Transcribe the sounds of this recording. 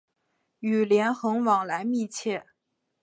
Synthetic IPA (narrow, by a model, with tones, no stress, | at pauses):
y˨˩ljɛ˧˥nxɤ˧˥ŋwɑ˨˩ŋla˧˥ɪmi˥˧t͡ɕʰjɛ˥˩